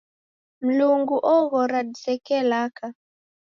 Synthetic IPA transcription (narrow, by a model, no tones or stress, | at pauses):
m̩luŋɡuʔɔɣɔɾadisɛkɛlaka